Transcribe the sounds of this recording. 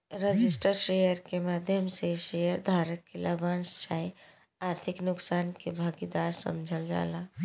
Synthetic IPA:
ɾəd͡ʒisʈəɾʃejəɾkemad̪ʱjəmseʃejəɾd̪ʱaɾəkːeləbanst͡ʃai | aɾt̪ʰiknʊksaːnkebʱaɡid̪aɾsə̰md͡ʒʱəld͡ʒa̰la

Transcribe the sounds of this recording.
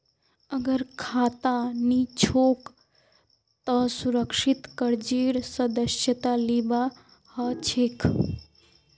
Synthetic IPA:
əɡəɾkʰat̪anit͡ʃʰok | t̪əsuɾəkʃit̪kəɾd͡ʒiɾsəd̪əsjət̪aliba | hət͡ʃʰek

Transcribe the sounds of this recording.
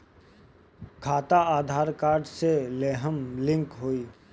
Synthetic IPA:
kʰaːt̪aaːd̪ʱaːɾkaːɾɖseleːɦəmlɪ̃ŋkɦoːiː

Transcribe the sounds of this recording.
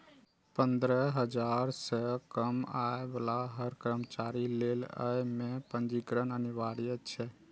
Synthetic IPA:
pənd̪ɾəɦəd͡ʒaɾsəkəmaebəlaɦəɾkɾəmt͡ʃaɾilelə̰jmepə̃nd͡ʒikɾənəniʋaɾijət͡ʃʰɛ

